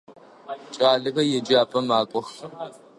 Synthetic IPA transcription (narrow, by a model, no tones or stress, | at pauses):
t͡ʃʼaːɮɐkɐjɛd͡ʒiaːpʼɐmaːkʷʼɔx